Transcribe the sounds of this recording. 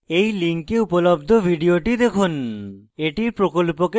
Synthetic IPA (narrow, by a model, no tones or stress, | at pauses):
ejliŋkeupolobd̪ʱobʱiɖioʈid̪ekʰuneʈiɾpɾokolpoke